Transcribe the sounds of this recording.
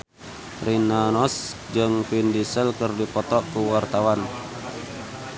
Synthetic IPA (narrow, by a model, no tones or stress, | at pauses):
rinanɔs | d͡ʒɨŋpindisəlkərdipɔt̪ɔkuwart̪awan